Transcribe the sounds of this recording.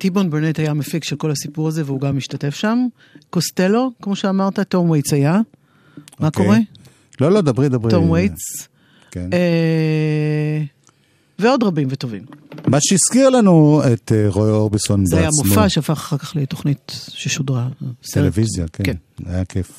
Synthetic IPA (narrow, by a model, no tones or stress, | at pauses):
tibonbeʁnetajamefikʃelko̞lhasipuʁaze̞veuɡamiʃtate̞fʃam | koste̞lo̞kmo̞ʃeamaʁtato̞mwejt͡saja | mako̞ʁe | lolodabʁid̪abʁit̪ːomwejt͡s | kene | veo̞dʁabimveto̞vimmaʃeiskiʁlanuet̪eʁojoʁbisonzeajamofaʃeafaχḁχaʁkaχletoχnitʃeʃodʁatelevizja̰kekena̰jakʰef